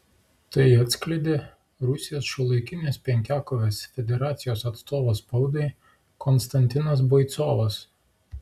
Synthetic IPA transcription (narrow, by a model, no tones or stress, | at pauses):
t̪ɐɪɐt̪ʲsʲklʲɛɪd̪ʲe | ɾʊsʲɪjoːsʃʊlˠɐɪkʲɪnʲeːspʲɛŋʲkʲæːkɔʋʲeːsfʲɛd̪ʲɛɾɑːt̪sʲɪjoːsɐt̪st̪oːʋoːspɐʊd̪ɐɪ | kɔnst̪ɐnʲt̪ʲɪnɐs̬bɔɪt̪soːʋɐs